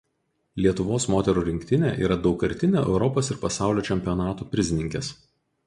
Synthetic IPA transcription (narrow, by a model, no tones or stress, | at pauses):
lʲiɛt̪ʊʋoːsmoːt̪ʲɛɾuːɾʲɪŋʲkt̪ʲɪnʲḛːʔḭːɾɐd̪ɒʊkɐɾʲt̪ʲɪnʲḛːʔɛ̰ʊɾɔpoːsɪɾpɐsɑˑʊlʲoːt͡ʃʲɛmʲpʲijɔnɑːt̪uːpʲɾʲɪzʲɪnʲɪŋʲkʲɛs